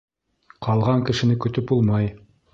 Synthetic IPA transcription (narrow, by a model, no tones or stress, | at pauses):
qʰɑlˠʁɑŋkɘ̆ʃɘ̆nɘkɵ̆t̪ɵpulˠmɑj